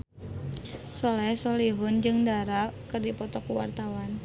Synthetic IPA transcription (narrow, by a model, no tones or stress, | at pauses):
sɔlɛsɔliɦʊnd͡ʒɨŋdaɾakɨrdipɔt̪ɔkuwa̰rt̪awan